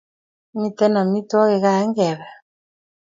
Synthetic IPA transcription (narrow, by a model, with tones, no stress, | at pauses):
mi˦tɛ˦na˨mi˦tɔ˦ɣɛ˨ɣa˦˨ɛ˦ŋɡɛ˨βɛ˨